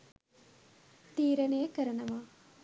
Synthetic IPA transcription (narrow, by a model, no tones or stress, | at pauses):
t̪iːɾɐnejəkəɾɐnɐʋaː